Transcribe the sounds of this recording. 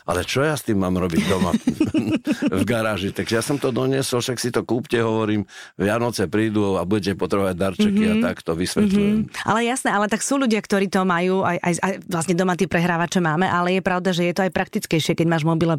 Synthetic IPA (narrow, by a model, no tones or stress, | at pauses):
ʔa̰lɛt͡ʃɔjast̪iːmːaːmɾɔbiɟd̪ɔma̰ | vɡaɾaːʒit̪aɡʒɛjasɔmt̪ɔd̪ɔɲɪɛsɔlfʃaksit̪ɔkuːpcɛɦɔʋɔɾiːmʋɪanɔt͡sɛpɾiːd̪ɔabuɟɛc̬ɛpɔt̪ɾɛʋaɟ̚d̪aɾt͡ʃɛkkiat̪akt̪ɔʋisʋɛlujɛmʔa̰lɛjasnɛːalɛt̪aksuːʎuɟɪakt̪ɔɾiːt̪ɔmajuːajʔajʔajʋlasɲɛd̪ɔmat̪iːpɾɛɦɾaːʋat͡ʃɛmaːmɛʔalɛjɛpɾaʊd̪aʒɛjɛt̪ɔajpɾak̚t̪it͡skɛjʃɪɛkɛɟmaːʒmɔbilɛ